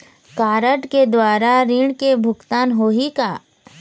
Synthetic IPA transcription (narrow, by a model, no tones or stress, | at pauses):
kaːɾəʈked̪waːɾaɾiɳkebʱʊkt̪aːnɦoːɦikaː